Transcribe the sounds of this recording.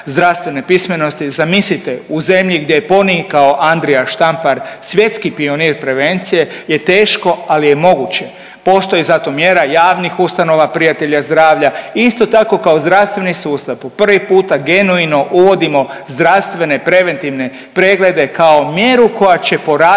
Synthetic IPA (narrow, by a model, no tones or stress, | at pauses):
zd̪ɾaʋst̪ʋe̞ne̞pisme̞no̞st̪izamislit̪euze̞mʎiɡd̪je̞jepo̞nikao̞ʔand̪ɾiaʃt̪ampaɾsʋje̞t̪skipio̞niːɾpɾe̞ʋe̞nt̪sije̞je̞t̪e̞ːʃko̞alijemo̞ɡut͡ɕe | po̞ːst̪o̞jizat̪o̞mjeɾajaːʋnixust̪ano̞ʋapɾijat̪e̞ʎazd̪ɾaːʋʎaist̪o̞t̪ako̞kao̞zd̪ɾaʋst̪ʋe̞nisuːst̪apupr̩ʋipuːt̪aɡe̞nuino̞ʔuʋo̞d̪imo̞zd̪ɾaʋst̪ʋe̞ne̞pɾe̞ʋe̞nt̪iʋne̞ | pɾe̞ɡle̞d̪e̞kao̞mje̞ɾuko̞jat͡ɕe̞po̞ɾa